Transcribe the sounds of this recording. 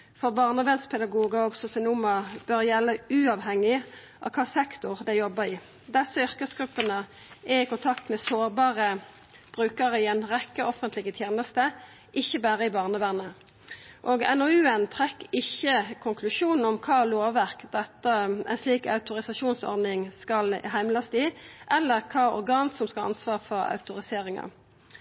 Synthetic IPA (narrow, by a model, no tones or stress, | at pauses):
fɔʁbɑːʁnəʋɛnspʰɛd̪ɑɡuːɡɑɔɡsɔsɪnumɑb̥œʁjɛlːəʉːɑʋhɛŋːɪ | ʔɑ̰kʰɑːsɛkt̪ʊʁd̪ɛjɔbəɪː | d̪ɛsːɔʏʁkəsɡʁʉpːənə | ʔɛɪkʊnt̪ʰɑkt̪mɛsoːʁbɑːʁə | b̥ʁʉːkəʁəɪɛɪnʁɛkːəʔɔfənt̪lɪɡət̪ʰjeːnəst̪ə | ʔɪçːəbæːʁəɪbɑːʁnəʋæːʁnə | ʔoːɡɛ̰noːʉːənt̪ʰʁɛkːɪçːəkʰʊŋkʰlʉʂuːnn̩ɔmkʰɑːloːʋæʁkd̪ɛt̪ːəɛ̰ɪnsliːkɑ̰ʉt̪ʊʁɪsɑʃuːnsɔ̰ʁd̪nɪŋskɑlɦæɪmlɑst̪ɪʔɛlːəʁkʰɑːɔ̰ʁɡɑːnsɔmskɑlɑ̰nsʋɑːʁfɔʁɑ̰ʉt̪ʊʁɪseːɾɪŋɑ̰